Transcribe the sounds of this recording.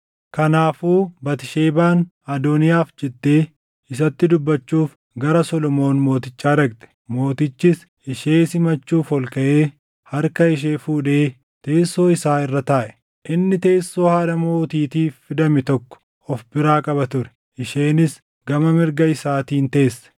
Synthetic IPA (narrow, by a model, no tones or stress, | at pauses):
kɐnaːfuːbɐt̪ɪʃeːbaːn | ɐd̪onɪjaːfd͡ʒɛd̪ːeː | ɪs̬ɐt̪ːɪd̪ʊbːɐt͡ʃːuːf | ɡɐɾɐsɔlɔmo̞ːnmo̞ːt̪ɪt͡ʃːaːɾɐɡt̪ɛ̥mo̞ːt̪ɪt͡ʃːɪs | ɪʃeːsɪmɐt͡ʃːuːfhɔlkɐʔeː | hɐɾkɐɪʃ̬eːfuːᶑe̞ː | t̪e̞ːsːo̞ːɪsaːɪrːɐt̪aːʔɛ̥ | ʔɪnːɪt̪e̞ːsːo̞ːhaːd̪ɐmo̞ːt̪iːt̪iːffɪd̪ɐmɪt̪ɔkːɔ̥ | ɔfbɪɾaːkʼɐbɐt̪ʊɾɛ̥ | ʔɪʃeːnɪs | ɡɐmɐmɪɾɡɐɪsaːt̪iːnt̪e̞ːsːɛ̥